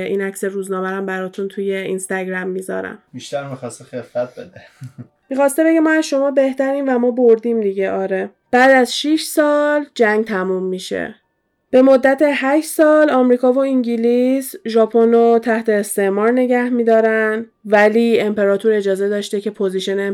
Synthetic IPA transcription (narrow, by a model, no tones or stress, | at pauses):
ʔiːnæcseɾuznɒːmæɾæmbæɾɒːt̪ʰunt̪ʰuje̞inst̪æɡɾæmːiːzɒ̰ːɾæ̰mb̥iʃt̪æɾmixɒst̪exefæt̪̚bed̪e | mixɒːst̪e̞be̞ɟemɒæzʃo̞mɒːbe̞ht̪æɾiːnvæmɒːboɾd̪iːmd̪iɟeʔɒːɾe | b̥æːd̪æzʃiʃsɒːld͡ʒæŋɡt̪ʰæmumːiʃḛ | b̥e̞mod̪ːæt̪ʰeɦæʃsɒːlɒːmɾiːkɒːvoiŋɟilisʒɒpʰonot̪ʰæht̪ʰe̞ːst̪e̞ʔmɒːɾne̞ɟæhmiːd̪ɒːɾæn | væliːe̞mpe̞ɾɒːt̪ʰuːɾe̞d͡ʒɒːze̞d̪ɒːʃt̪ecʰe̞pʰoziʃene